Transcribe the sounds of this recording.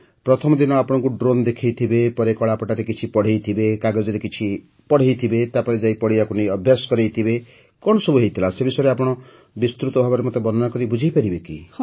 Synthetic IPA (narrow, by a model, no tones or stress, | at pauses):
pɾɔt̪ʰɔmɔd̪inɔapɔɽ̃ɔ̃ŋkuɖɾond̪ekʰejt̪ʰibepɔɾekɔɭapɔʈaɾekit͡ʃʰipɔɽ̤ejt̪ʰibekaɡɔd͡ʒɔɾekit͡ʃʰi | pɔɽ̤ejt̪ʰibet̪apɔɾed͡ʒajpɔɽijakuniɔbʱjasɔ̥kɔɾejt̪ʰibe | kɔɳ̃ɔsobuɦejt̪ʰilasebisɔeɾeapɔɽ̃ɔ | bist̪ɾut̪ɔbʱabɔɾemot̪ebɔnɔnakɔɾibud͡ʒʱejpaɾibeki